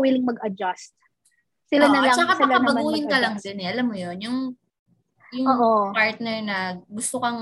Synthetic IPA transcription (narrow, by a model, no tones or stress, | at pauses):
wilɪŋmɐɡɐd͡ʒast̪̚ | sɪlanɐɡat͡ʃːakaɐlɐɐmbɐɡuːhɪnkɐlɐŋd̪ɪnɛʔɐlamːojonjʊŋ | jʊŋoːʔopaɹt̪̚nɛɹnɐɡʊst̪okɐŋ